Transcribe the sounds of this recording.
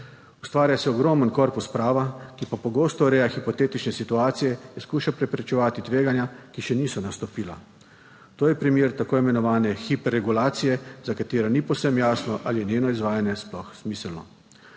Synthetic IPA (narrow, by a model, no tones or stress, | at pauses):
ust̪ʋaːɾjasɛɔɡɾɔːmənkɔɾpuspɾaːʋakipapɔɡoːst̪ɔɾɛːjaxipɔt̪eːt̪it͡ʃnɛsit̪uaːt̪sijɛinskuːʃapɾɛpɾɛt͡ʃɛʋaːt̪it̪ʋeːɡanjakiʃɛniːsɔnast̪ɔpiːla̰ | t̪oːjɛpɾimjeːɾt̪akoːimɛnɔʋaːnɛxipɛɾːɛɡulaːt̪sijɛzakat̪eːɾanipɔwsɛmjaːsnɔʔalijɛnʲjeːnɔizʋaːjanjɛsplɔxsmiːslnɔ̰